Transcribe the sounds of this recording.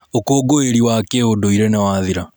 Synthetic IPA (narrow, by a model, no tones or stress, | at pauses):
okoːɡoeɾiwakeodoiɾenɛwaðiɾa